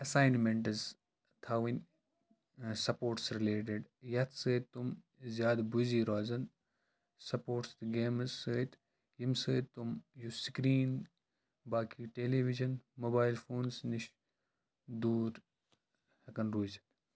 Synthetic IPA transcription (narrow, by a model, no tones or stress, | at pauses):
ɐsaːjnmeɳʈɨz | t̪ʰaːʋinʲ | sɐpoːʈsɾileːʈ̬eɖjɐt̪ʰsəːt̪ːum | zjaːd̪buziːɾaːzɐn | sɐpoːʈsɡeːmzsəːt̪ | jimsəːt̪ːumjusikɾiːn | baːkiʈeːleːʋid͡ʒɐnmoːbaːjilfoːnsniʃ | d̪uːɾ | hɐkɐnɾuːzɐn